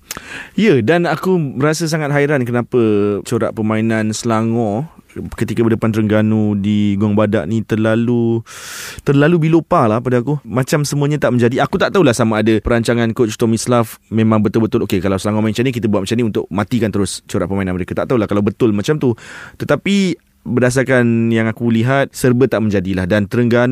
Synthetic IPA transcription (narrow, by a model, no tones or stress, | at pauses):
ijədanakubəɾasas̬aŋat̪̚ɦaiɾankənapət͡ʃoɾa̰ʔpəmãinansəlaŋɔ̃kət̪ikabədəpant̪əɾəŋɡanudiɡɔŋbada̰ʔnĩt̪ərlalu | t̪ərlalubilopalahpadaakumat͡ʃamsəmuəɲat̪aʔməɲd͡ʒadiakut̪aʔt̪aulahsamaːdapəɾaɲt͡ʃaŋankot͡ʃut̪omislafmẽmãŋbət̪ʊlbət̪ʊlokekalawsəlaŋɔmaint͡ʃanĩk̬it̪əbuat̪̚mat͡ʃamniunt̪ʊk̚mãt̪ikant̪əɾʊst͡ʃoɾaʔpəmainanməɾekat̪aʔt̪aɦulahkalawbət̪ʊlmat͡ʃamt̪ut̪ət̪api | bərdas̬arkanjaŋakuliɦat̪̚sərbət̪aʔməɲd͡ʒadilahdant̪əɾəŋɡan